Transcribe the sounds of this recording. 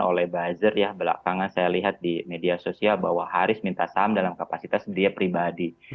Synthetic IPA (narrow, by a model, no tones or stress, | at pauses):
o̰lɛhbad͡ʒɪrjahbəla̰kaŋansajaliɦat̪̚dimediasosialbahwaɦaɾʊsmint̪asamdalamkapasit̪asbədiapɾibadi